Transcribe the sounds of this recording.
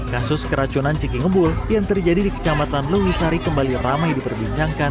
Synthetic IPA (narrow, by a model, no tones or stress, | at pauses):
kasʊskəɾat͡ʃunant͡ʃikiŋəbʊljaŋt̪ərd͡ʒadidikə̥t͡ʃamat̪anləwisaɾikəmbaliramajdipərbiɲt͡ʃaŋkan